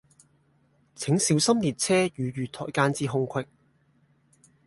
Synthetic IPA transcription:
t͡sʰɪ˨˥ŋsiː˨˥wsɐ˥mliː˨˩t̚t͡sʰɛː˥jyː˨˧jyː˨˩t̪ʰɔ̰ː˨˩jkaː˧nt͡siː˧ɦʊ˧ŋkʷʰɪ˧k̚

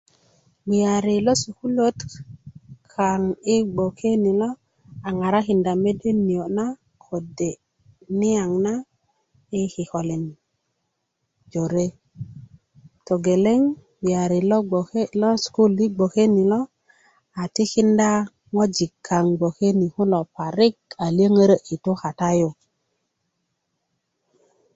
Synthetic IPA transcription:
wi˨ja˨ɾi˨lo˦su˨ku˦lo˦t | kʰa˨ŋi˦ɡ͡bo˨kʰe˦ni˨lo˦ | a˨ŋa˨ɾa˦ki˨nda˨me˦de˦ni˨jo˨na˦ | kʰo˨de˨ | ni˦a˨ŋna˦ | i˦ki˨ko˨le˨n | d͡ʒo˨ɾe˦ | to˨ɡe˨le˦ŋ | wi˨a˨ɾi˨lo˦˨˦lo˦sku˦lːi˦ɡ͡bo˨ke˦ni˨lo˦ | a˨ti˦ki˦nda˦ | ŋo˦d͡ʒi˨kʰːa˨ŋɡ͡bo˨ke˦ni˨ku˦lo˨pa˨ɾi˦ka˨li˦ə˦ŋə˦ɾə˦ʔi˨to˦ka˨ta˦jo˨

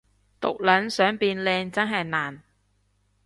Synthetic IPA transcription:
t̪ʊ̰˨k̚lɐ˨˥nsœː˨˥ŋpiː˨˧nlɛː˧ŋt͡sɐ˥nɦɐ˨jnaː˨˩n

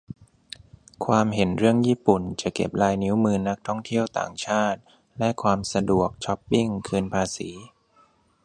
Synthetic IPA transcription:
kʰwaː˧mɦe˩˦nɾɯ˥˩əŋjiː˥˩pu˨˩nt͡ɕa˨˩ke˨˩p̚laː˧jni˦˥wmɯː˧na˦˥k̚t̪ʰɔ˥˩ŋt̪ʰi˥˩əwt̪a̰ː˨˩ŋt͡ɕʰaː˥˩t̪̚ | lɛ˦˥kʰwaː˧msa˧du˨˩ək̚t͡ɕʰɔ˦˥pːi˥˩ŋkʰɯː˧npʰaː˧siː˩˦

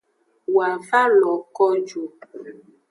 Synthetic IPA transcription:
wa˨va˦lɔ˨kɔ˦d͡ʒu˨

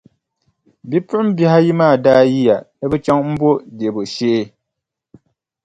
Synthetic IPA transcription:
bi˦pʊ˦ʔm̩˦bɛ˦ha˦ji˦maː˦˨daː˦ji˦ja˨nɨ˦bɛ˦t͡ʃa˦ŋm̩˦bo˦de˨bo˨ʃe˦ʔe˦

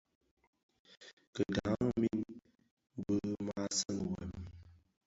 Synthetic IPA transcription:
kə˨da˨˦m˦mi˦n˦ | bə˦ma˦sə˦mə˨wɛ̰˨m

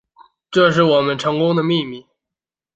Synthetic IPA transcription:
ʈ͡ʂɤ˥˧ʂ̬ɻ̩˥˩wɔ˨˩mə˦nʈ͡ʂʰɤ˧˥ŋkʊ˥ŋd̪ə˨mi˥˧mi˥˩

